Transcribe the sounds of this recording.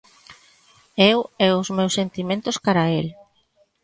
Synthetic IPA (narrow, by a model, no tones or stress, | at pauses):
ewɛʊzmewsːent̪imẽnt̪ʊskaɾael